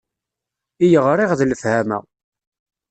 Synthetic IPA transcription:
ijəʁɾˤiʁðləfhæmæ̰

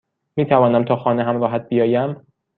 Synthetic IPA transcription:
miːt̪ʰævɒːnæmt̪ʰɒːxɒːneɦæmɾɒːɦæt̪̚bijɒːjæm

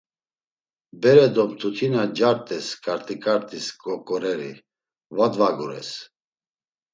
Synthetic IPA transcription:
bɛɾɛd̪ɔmt̪ʰut̪ʰinad͡ʒaɾt̪ʼɛskʼaɾt̪ʼikʼaɾt̪ʼiskʼɔkʼɔɾɛɾḭ | vad̪vaɡuɾɛ̰s

